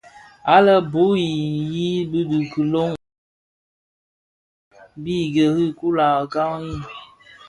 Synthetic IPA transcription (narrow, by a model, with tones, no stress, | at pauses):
a˦lə˦bo˨˦ji˨ji˦bɨ˦dɨ˨kɨ˨lo˦ŋ | bi˦˨ɡə˨hɨ˦˨ku˦la˨ka˦ŋji˦